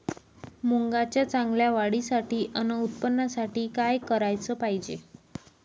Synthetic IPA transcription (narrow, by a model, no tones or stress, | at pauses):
muŋɡat͡ɕjat͡sãŋɡljaʋaɽisaʈiːʔənəut̪̚pənːasaʈiːkajkəɾajt͡səːpaɦid͡ʑe